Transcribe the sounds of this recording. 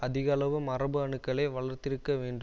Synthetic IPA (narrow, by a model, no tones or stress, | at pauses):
ɐðɪɣɐlɐʋɯmɐrɐbɯɐɳɯkːɐɭɐɪʋɐɭɐɾt̪ɪɾɯkːɐʋeːɳɖɯ